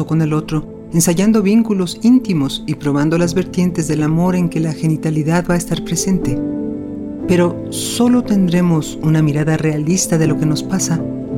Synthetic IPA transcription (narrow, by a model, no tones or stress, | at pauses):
oko̞ne̞lo̞t̪ɾo̞ | e̞nsaʝand̪o̞βiŋkulo̞sint̪imo̞sipɾo̞β̞and̪o̞lazβe̞ɾt̪je̞nt̪e̞zðe̞lamo̞ɾe̞ŋke̞laxe̞nit̪aliðaðbaest̪aɾpɾe̞se̞nt̪e̞ | pe̞ɾo̞ | so̞lo̞t̪e̞nd̪ɾe̞mosunamiɾaðare̞alist̪aðe̞lo̞ke̞no̞spasa